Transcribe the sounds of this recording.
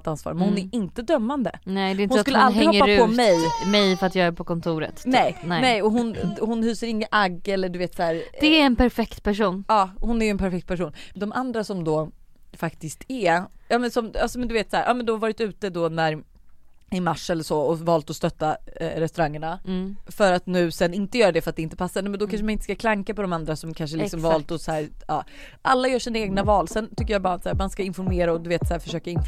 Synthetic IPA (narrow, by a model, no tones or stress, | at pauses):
t̪ansvɑ̰ːɾmɛnhʊnæɾɪnt̪əd̪œmːand̪ə̰nɛd̪ɛɪnhʊnskɵlːəald̪ɾɪhɔpːapɔmmɛjmɛjfœɾat̪jɑːɡæɾpʰɔkɔnt̪ʰuːɾə̰t̪nɛj̪ɛnɛjɔɦʊnhʊnhyːsəɾɪŋːəʔaɡːɛlːəɖɵveːt̪sæːɾd̥̪ɛæɾɛnpæɾfɛkt̪pʰæʂuːnɑːhʊnæɾjʉɛnpʰæɾfɛk̚t̪̚pʰæʂuːnd̪ɔmʔand̪ɾasɔmd̪ɔfakt̪ɪskt̪ʰæɾjɑːmɛnsɔmasɔmɛnd̪ɵveːt̪shæːɾʔɑ̰ːmɛnd̪ɛhaɾvɑːɾɪt̪ʉ̟ːt̪əd̪ɔnæɾ | ɪmaʂɛlːəʂɔɔvɑːlt̪ɔst̪œt̪ːaɾɛst̪ɵɾaŋːəɳafœɾat̪nʉ̟ːsɛnɪnt̪əjœːɾad̪ɛfœɾat̪d̪ɛɪnt̪əpʰasːaɾnɛmɛnd̪ɔkʰanʂəmanɪnt̪ə̥skakʰlaŋkapɔd̪ɔmand̪ɾasɔmkʰanʂ̬əlɪksɔmvɑːlt̪ɔsæːɾɑː | ʔalːajœːʂiːnaeːɡnavɑːlsɛnt̪ʰʏkːəjaːbɑːɾat̪sæːɾmanskaɪnfɔɾmeːɾaɔd̪ɵveːt̪sæːɾfœ̥ʂøːkaɪn